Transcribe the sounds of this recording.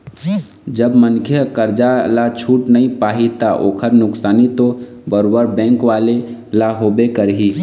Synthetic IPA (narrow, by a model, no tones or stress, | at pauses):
d͡ʒəbmənkʰjəkəɾd͡ʒalat͡ʃʰuʈnəĩpaɦit̪aʔoːkʰəɾnʊksaːnit̪o | bəɾobəɾbɛ̃ŋkʋalelaɦobekəɾɦi